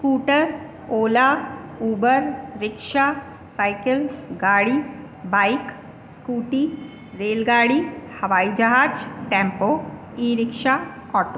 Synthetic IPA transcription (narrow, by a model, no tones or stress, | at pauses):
skuːʈəɾ | oːlauːbəɾɾɪkʃa | saːɪkəlɡaːɽi | baːɪk | skuːʈi | ɾeːlɡaːɽihɐʋaːid͡ʒɐɦaːd͡ʒʈɛ̃ːmpoː | iːɾɪkʃaɔːʈo